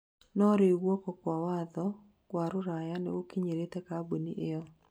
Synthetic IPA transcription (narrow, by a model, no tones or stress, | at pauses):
nɔɾɪwɔkɔkwɔwad̪ɔ | kwaɾʊɾajanɛ̰wokiɲeɾet̪ɛkaboniʔɪɔ